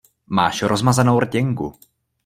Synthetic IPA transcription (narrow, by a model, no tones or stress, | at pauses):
maːʃɾozmazanowrcɛŋkṵ